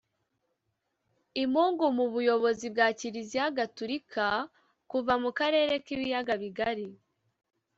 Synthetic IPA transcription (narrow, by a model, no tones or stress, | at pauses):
imuːŋɡumuβujo̞βo̞zib̚ɡaːciɾiziaɡatuɾikʰa | kuvamukaɾe̞ːɾe̞kiβijaɡaβiɡaɾi